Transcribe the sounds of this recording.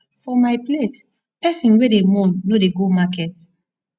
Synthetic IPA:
fɔmaɪples | pɛsĩnwedemɔ̃nːodeɡomakɛt

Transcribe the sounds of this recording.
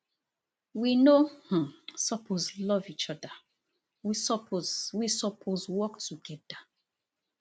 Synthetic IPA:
winoh̩sɔpʰozlɔvit͡ʃɔda | wisɔpʰozwisɔpʰozwɔktʰuɡɛda

